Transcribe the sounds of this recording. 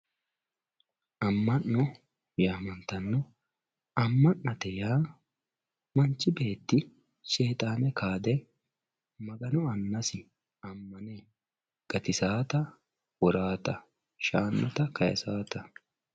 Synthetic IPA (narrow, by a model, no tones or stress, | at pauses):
ʔɐmːɐnːɔ | jaːmɐnt̪ɐnːɔ | ɐmːɐnːɐt̪ɛjaː | mɐnt͡ʃːɪbe̞ːt̪ːɪ | se̞ːt̪ʼaːnɛkʰaːd̪ɛ | mɐɡɐnɔɐnːɐsɪ | ɐmːɐne | ɡ̥ɐt̪ɪsaːt̪ɐ | wɔɾaːt̪ɐ | ʃaːnːɐt̪ɐkɐjɐ̰saːt̪ɐ